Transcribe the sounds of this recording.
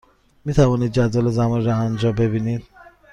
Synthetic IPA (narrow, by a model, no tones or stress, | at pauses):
mit̪ʰavɔnid̪̚d͡ʒad̪ɔlozamɔnɾɔand͡ʒɔbebinid̪